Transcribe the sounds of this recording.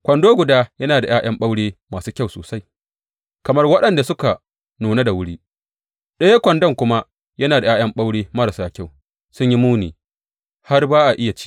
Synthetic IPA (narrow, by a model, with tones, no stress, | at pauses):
kʷɐ˨ndoː˦ɡʷʊ˨daː˦jɐ˦naː˨da˨jaː˦j̰ɐ˦mɓa˦wɽeː˦maː˨suː˦kʲa˦˨wso̰ː˨sa˦j | kɐ˨mɐ˦rwɐ˦ɗɐ˨nda˨sʊ˦ka˨ | nuː˨na˦da˨wʊ˦ɽiː˦ | ɗɐ˦ja˦kʷɐ˨ndɐ˦˨ŋkʷʊ˦ma˦ | jɐ˦naː˨da˨jaː˦jɐ˦mɓa˦wɽeː˦mɐ˦ɾa˨saː˨kʲa˦˨w | sʊ˦ɲji˦muː˦niː˨ | ha˦rbaː˦ʔa˨ʔɪ˦ja˨t͡ʃi̥˦